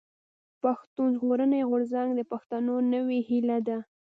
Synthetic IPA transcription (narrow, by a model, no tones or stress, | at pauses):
paxt̪unzɣoɾəneɣʊɾzaŋɡd̪əpaxt̪anonəwehilad̪a